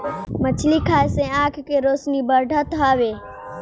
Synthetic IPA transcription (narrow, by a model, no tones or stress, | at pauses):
mət͡ʃʰlikʰaːjsẽːaːkʰkeːɾoːsnibəɾɖʱat̪aːʋeː